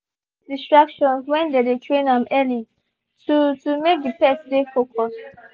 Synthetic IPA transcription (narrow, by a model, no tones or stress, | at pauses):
d̥istɹakʃɔ̃nswɛ̃ndedetʰɹẽnãmɛli | tutumek̚dəpɛsdefokɔs